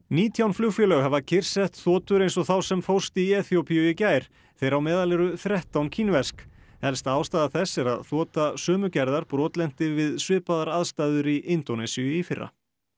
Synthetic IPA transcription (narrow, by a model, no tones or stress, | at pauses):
niːt̪ʰjawnflʏwfjœlœɣhɛvacʰɪr̥sɛht̪θɔːt̪ʏɾejnsɔθawsɛmfowst̪iɛːθiowpijʏɪcaːjɾ̥ | θejɾawmɛːðalɛɾʏθɾɛht̪awncʰinvɛsk | hɛlst̪aaːwst̪aːðaθɛsːɪɾa̰ðθɔːt̪asœːmʏcɛɾðaɾpɾɔːt̪lɛn̥t̪ɪvɪðsvɪːpaðaɾaðst̪aːðʏɾiʔɪnt̪onɛsiʏifɪrːa̰